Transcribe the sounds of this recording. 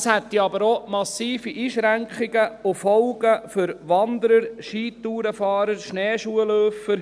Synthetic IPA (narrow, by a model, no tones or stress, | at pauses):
shɛt̪ːiɑbəɾomɑsiːfiʔiːʃɾæŋkχɪɡəʊfɔlɡ̥əfʏɾʋɑnd̪əɾəɾʃiːt̪uːɾəfɑːɾəɾʃnɛːʃuəløːfəɾ